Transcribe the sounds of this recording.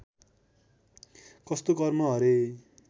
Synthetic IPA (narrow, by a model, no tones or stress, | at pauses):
kʌst̪okʌrmʌɦʌɾe